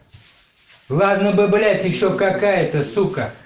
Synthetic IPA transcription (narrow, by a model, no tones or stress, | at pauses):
lˠad̪nəbɨblʲætʲjɪɕːokɐkajət̪əsukə